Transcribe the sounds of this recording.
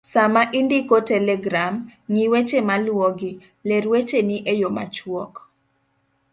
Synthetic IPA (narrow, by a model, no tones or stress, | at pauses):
samaʔindikotɛlɛɡɾamŋiwet͡ʃemalwɔɡɪ | leɾwet͡ʃeniʔejoma̰t͡ʃwɔk